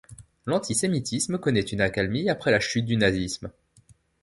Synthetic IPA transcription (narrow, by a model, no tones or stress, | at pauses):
lɑ̃t̪ʰisemit̪ʰisməkɔnɛt̪ynakalmiapχɛlaʃyt̪̚d̪ynazism